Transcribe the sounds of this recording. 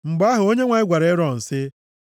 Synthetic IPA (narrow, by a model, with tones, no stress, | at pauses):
ŋ͡m̩˨ɡ͡ba˦ɦʊ˨o˦ɲe˦ŋʷa˨ɪ˦ɡʷa˨ɾe˨˦ɾɔ˨n̩˨sɪ˦